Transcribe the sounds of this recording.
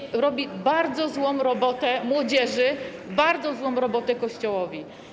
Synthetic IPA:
ɾɔbʲibaɾd̪zɔzwɔ̃m̃ɾɔbɔt̪ɛmwɔd͡ʑɛʐɘbaɾd̪zɔzwɔ̃w̃ɾɔbɔt̪ɛkɔɕt͡ɕɔwɔvʲi

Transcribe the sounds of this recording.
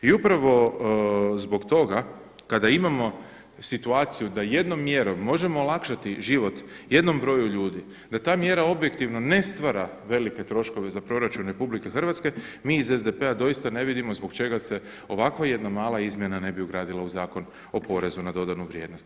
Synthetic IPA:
iupɾaʋo̞ | zbo̞ɡt̪o̞ɡa | kad̪aimamo̞ | sit̪uaːt̪sijud̪aje̞d̪no̞mːje̞ɾo̞mːo̞ʒe̞mo̞ːlˠakʃat̪iʒiʋo̞t̪ | je̞d̪no̞mbɾo̞juʎuːd̪i | d̪at̪aːmje̞ɾao̞bje̞kt̪iʋno̞ne̞st̪ʋaɾa | ʋe̞like̞t̪ɾo̞ʃko̞ʋe̞zapɾo̞ɾat͡ʃunɾepublike̞xr̩ʋat̪ske̞miːze̞zd̪e̞pe̞ad̪o̞jist̪ane̞ʋid̪imo̞zbo̞kt͡ʃe̞ɡase̞ | o̞ʋakʋaje̞d̪namaːlˠaizmje̞nane̞biuɡɾaːd̪ilauzaːko̞n | o̞po̞ɾe̞zunad̪o̞d̪anuʋɾʲje̞ːd̪no̞st̪

